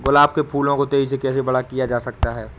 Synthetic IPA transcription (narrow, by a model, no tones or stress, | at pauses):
ɡʊlaːbkepʰuːlõkot̪eːɦis̬ekɛːsebɐɽakijad͡ʒaːsɐkt̪aɦɛː